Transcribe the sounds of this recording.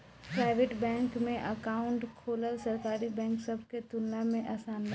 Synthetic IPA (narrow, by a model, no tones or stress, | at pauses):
pɾaːɪʋeːʈbɛ̃ːŋkmẽʔɐkaːʊ̃ɳʈkʰoːləlsɐɾkaːɾibɛ̃ːŋksɐbʱket̪ʊlːamẽʔaːsaːn